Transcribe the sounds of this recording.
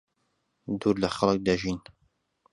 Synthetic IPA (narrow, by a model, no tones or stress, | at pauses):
d̪uːɾlɐxɐlˠək̚d̪ɐʒiːn